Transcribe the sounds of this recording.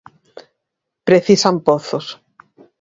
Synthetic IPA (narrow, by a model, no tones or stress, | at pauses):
pɾeθisampoθos